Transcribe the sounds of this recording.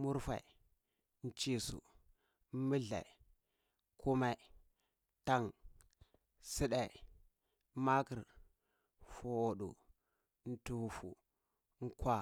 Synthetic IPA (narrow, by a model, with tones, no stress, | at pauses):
mu˦ɾfa̰˨i˨ | n̩˦t͡ʃi˦sṵ˨˦ | mə˦ɮa̰˨ | kʰu˦ma˦˨ | ta˦˨ŋ | si˦ɗa˨˦ | ma˦kə˨ɾ | fo˨wo˨ɗu˨ | n̩˦tu˨wu˨fṵ˨ | ŋ̩˦kwa˦